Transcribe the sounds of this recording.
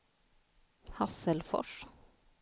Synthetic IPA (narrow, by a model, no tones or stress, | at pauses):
hɑsəlfɔ̰ʂ